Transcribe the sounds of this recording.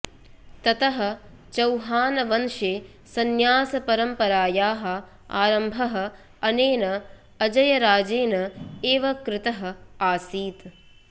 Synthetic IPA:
t̪ɐt̪ɐɦɐ̆ | t͡ʃɐwɦaːnɐʋɐnʃeː | sɐnjaːsɐpɐɾɐmpɐɾaːjaːɦɐ̆ | a̰ːɾɐmbʱɐɦɐ̆ | ɐneːnɐ | ɐd͡ʒɐjɐɾaːd͡ʒeːnɐeːʋɐkɾɪt̪ɐɦɐ̆aːsiːt̪

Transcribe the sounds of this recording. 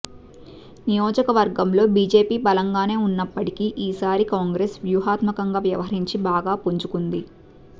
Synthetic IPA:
nijoːd͡ʒɐkɐʋɐɾɡɐmlo̞ːbiːd͡ʒe̞ːpiːbɐlɐŋɡaːne̞ːunːɐpːɐʈikiːʔiːsaːɾikaːŋɡɾe̞ːsʋjuːɦaːt̪mɐkɐŋɡaːʋjɐ̰ʋɐɦɐɾiɲt͡ʃibaːɡaːpuɲd͡ʒukund̪i

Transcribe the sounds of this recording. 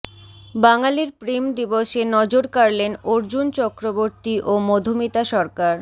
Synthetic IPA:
baŋaliɾpɾimd̪iboʃenɔd͡ʑoɾkaɾlenoɾd͡ʑunt͡ɕɔkɾoboɾt̪iʔomɔd̪ʱomit̪aʃɔɾkaɾ

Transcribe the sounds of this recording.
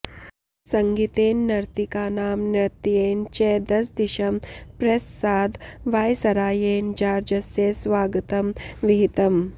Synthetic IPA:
sɐŋɡit̪eːnːɐɾt̪ikaːnaːmnɐɾt̪ijeːnt͡ʃeːd̪ɐs̬d̪iʃɐmpɾɐsːaːd̪ʋaːjsɐɾaːjeːnd͡ʒaːɾd͡ʒɐsjesʋaːɡɐt̪ɐmʋiɦit̪ɐm

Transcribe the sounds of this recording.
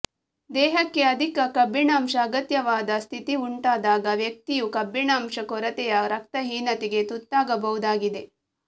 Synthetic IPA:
d̪ɛːɦɐkːeɐd̪ʱikɐkɐbʱːiɳaːmʂɐːɡɐt̪jɐʋaːd̪ɐst̪ʰit̪iuɳʈaːd̪aːɡɐʋjɐk̚t̪ijukɐbʱːiɳaːmʂɐkɔɾɐt̪ɛjɐɾɐk̚t̪ɐɦiːnɐt̪iɡe̞t̪ut̪ːaːɡɐbɐɦud̪aːɡid̪e̞

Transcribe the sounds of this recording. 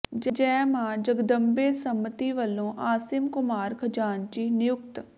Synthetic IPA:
d͡ʒd͡ʒɛːmãːd͡ʒəɡd̪əmbeːsəmːət̪iːʋəlːõːʔaːsɪmkʊmaːɾkʰəd͡ʒaːnt͡ʃiːnɪjʊkt̪

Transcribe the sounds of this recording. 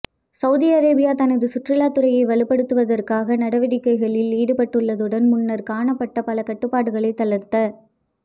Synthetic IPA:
sɐʊðiɐɾeːbɪjaːt̪ɐnɐðɯsʊʈrɪlaːt̪ɯɾɐjɐɪʋɐlɪpːɐɽɯt̪ːɯʋɐðɐrkaːɣɐnɐɽɐʋɪɽɪkːɐɪɣɐɭɪliːɽɯpɐʈːɯɭːɐðɯɽɐnmʊnːɐɾkaːɳɐpːɐʈːɐpɐlɐkɐʈːɯpːaːɽɯɣɐɭɐɪt̪ːɐlɐɾt̪ɐ

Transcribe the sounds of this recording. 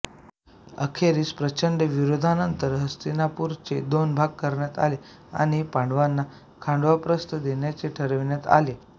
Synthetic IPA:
ə̰kʰeɾiːspɾət͡ɕəɳɖəʋiɾod̪ʱanənt̪əɾɦəst̪inapuɾt͡sed̪onbʱaɡ̚kəɾɳjat̪a̰le | a̰ɽ̃ipãɳɖʋanːa | kʰãɳɖʋapɾəst̪əd̪eɳjat͡seʈʰəɾəʋɳjat̪a̰le

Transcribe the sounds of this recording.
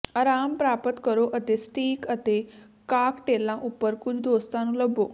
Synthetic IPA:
ɐːɾaːmpɾaːpət̪kɐɾoʔɐt̪esʈiːkɐt̪e | kaːkʈeːlːãʔʊpəɾkʊd͡ʑʱd̪oːst̪ãːnũlɐbʱoː

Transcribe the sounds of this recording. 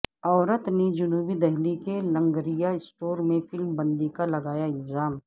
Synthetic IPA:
ɔːɾət̪ned͡ʒʊnuːbid̪ɛɦlikelɐ̃ŋɡɾijaɪsʈoːɾmẽfʰɪlmbɐ̃nd̪ikalɐɡaːjaɪlzaːm

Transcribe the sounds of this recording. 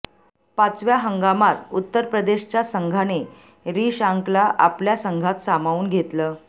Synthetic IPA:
pat͡sʋjaɦəŋɡamat̪ut̪ːəɾpɾəd̪eɕt͡ɕjasəŋɡʱane | ɾiːɕaŋklaʔa̰pljasəŋɡʱat̪samauːnɡʱet̪ləː

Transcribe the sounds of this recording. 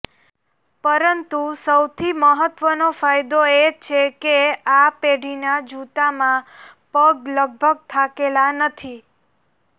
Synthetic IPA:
pəɾənt̪usəwt̪ʰiməɦət̪ʋənofajd̪oet͡ʃʰekeapeɖ̤ʱinad͡ʒut̪amãpəɡləɡ̚bʱəɡ̚t̪ʰakelanət̪ʰi

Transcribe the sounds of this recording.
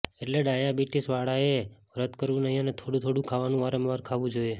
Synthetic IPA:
eʈleɖajabiʈisʋaɽae | ɾət̪kəɾʋũnəɦĩənet̪ʰoɽut̪ʰoɽũkʰaʋanũʋaɾəmʋaɾkʰaʋũd͡ʒoje

